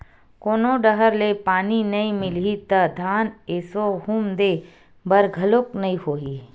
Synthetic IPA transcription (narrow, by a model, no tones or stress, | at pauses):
koːnoɖəɦəɾlepaːninɐĩmɪlit̪ɐd̪ʱaːnesoɦumd̪e | bɐɾɡʱɐlʊknɐĩɦoːiː